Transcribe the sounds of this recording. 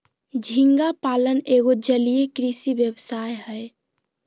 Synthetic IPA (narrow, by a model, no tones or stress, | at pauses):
d͡ʒʱiŋɡapaləneɡod͡ʒəlijekɾisibjəbsajɦəj